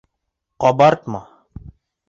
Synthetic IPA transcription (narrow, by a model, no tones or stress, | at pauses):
qɔbaɾt̪ma